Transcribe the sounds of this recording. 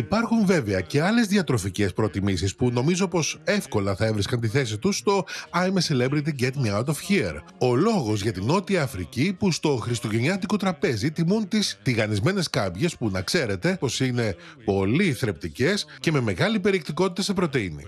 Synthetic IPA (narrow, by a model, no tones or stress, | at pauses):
ipɐɾxuɱve̞veɐce̞ɐle̞zðiɐt̪ɾo̞fice̞spɾo̞t̪imisispuno̞mizo̞po̞se̞fko̞lɐθɐe̞vɾiskɐnt̪iθe̞sit̪usːt̪o̞ɐjmeselebɾit̪̬iŋɡet̪niat̪ofçiḛɾ | o̞lo̞ɣo̞zʝɐt̪ino̞t̪iɐːfɾicipust̪o̞xɾist̪o̞ʝe̞ɲɐt̪iko̞t̪ɾɐpe̞zit̪imunt̪ist̪iɣɐnizme̞ne̞skɐbʝe̞spunɐkse̞ɾe̞t̪e̞po̞sine̞po̞liθɾe̞p̚t̪ice̞sce̞me̞me̞ɣɐlipe̞ɾiekt̪iko̞t̪it̪ɐse̞pɾo̞t̪einḭ